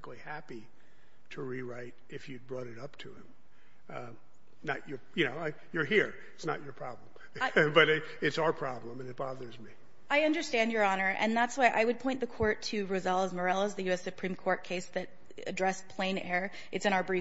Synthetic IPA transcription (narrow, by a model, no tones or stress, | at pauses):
klihæpi | ɾəɹiɹaɪɾ | ɨfjɨd̚bɹɔɾɨɾʌp̚tʰɨɪ̃m | nət͡ʃə˞jɨnoʊaɪ | jə˞ɦiɹ | ɪtsnə̰t͡ʃə˞pʰɹ̥ɑblə̃m | bʌɾ | ɨtsaʊə˞pʰɹ̥ɑblə̃mɨ̃nɨt̚b̥ɑðə˞zmi | aɪʌ̃ndə˞stæ̃ndjə˞ɑnə˞ʔɨ̰̃nðætswaɪʔa̰ɪwɨd̚pʰɔ̃ɪ̃nðɨkʰɔɹtʰɨɹoʊzɛlˠəzmə˞ɛlˠəzðɨjʉɛsɨpʰɹ̥ĩmkʰɔɹt̚kʰeɪsðɨɾ | ɨ̰dɹɛspʰl̥ẽɪ̃nɛɹ | ʔɨtsɨ̃ñaʊə˞bɹi